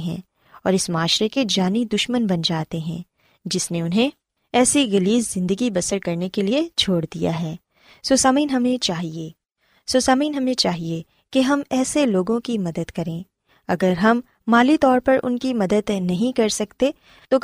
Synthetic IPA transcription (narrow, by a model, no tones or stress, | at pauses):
ɦɛ̰̃ː | ɔːɾɪsmaːʃɾeked͡ʒaːnid̪ʊʃmənbɐnd͡ʒaːt̪eɦɛ̰̃ | d͡ʒɪsneʊnɦẽ | ɛːsiɣɐliːzːɪ̃nd̪əɡibɐsəɾkɐɾnekeliet͡ʃʰoːɽd̪ija̰ɦɛː | sosaːmiːnɦɐmẽt͡ʃaːɦieː | sosaːmiːnɦɐmẽt͡ʃaːɦie | keɦɐmɛːseloːɡõkimɐd̪əd̪kɐɾẽː | ɐɡəɾɦɐmː | aːlit̪ɔːɾpɐɾʔʊ̰nkimɐd̪əd̪nɐɦĩkɐɾsɐkt̪e | t̪o